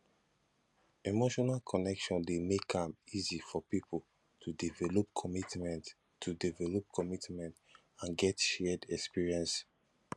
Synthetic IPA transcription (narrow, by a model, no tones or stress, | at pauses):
emoʃɔnalkʰɔnɛkʃɔ̃ndemekãmizifɔpipʰol | tʰudivɛlɔp̚kʰɔmitmɛ̃nt | tʰːudivɛlɔp̚kʰɔmitmɛ̃nt | ãnɡɛtʃɛdɛkspiɹiɛ̃ns